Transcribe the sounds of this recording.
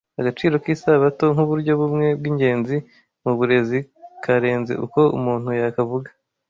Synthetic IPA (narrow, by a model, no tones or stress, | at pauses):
aɡat͡ʃiːɾo̞kiːsaβato̞ŋ̥uβuɾɟo̞βumŋe̞b̚ɡiːɲɟe̞ːnzi | muβuɾe̞zikʰaɾe̞ːnzḛʔṵko̞ṵmuːn̥hujakavuɡa